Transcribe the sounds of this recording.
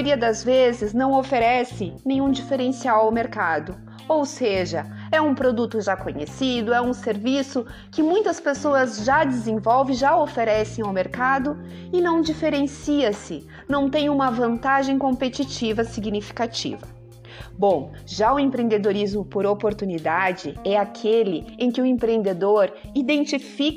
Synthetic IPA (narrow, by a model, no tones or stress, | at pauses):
joɾiɐd̪ɐzvezɪznɐ̃w̃ofeɾɛsɪnẽj̃ɲ̃ũd͡ʒifeɾẽsiawawmeɾkad̪ʊ | owseʒɐ | ɛũpɾod̪ut̪ʊʒakoɲḛsid̪ʊɛũseɾvisʊ | kɪmũj̃t̪ɐspesoɐzʒad͡ʒ̪ɪzẽvɔwvɪ̃ʒaofeɾɛsẽj̃awmeɾkad̪ʊ | ɪnɐ̃w̃d͡ʒifeɾẽsiɐsɪ | nɐ̃w̃t̪ẽj̃ũmɐvɐ̃nt̪aʒẽj̃kõpet͡ʃit͡ʃivɐsiɡnifi̥kat͡ʃḭvɐ | bõw̃ | ʒaʊẽmpɾẽnd̪ed̪oɾizmʊpoɾopoɾt̪unid̪ad͡ʒɪɛakʰelɪẽkɪʊẽmpɾẽnd̪ed̪oɾ | id̪ẽnt͡ʃifik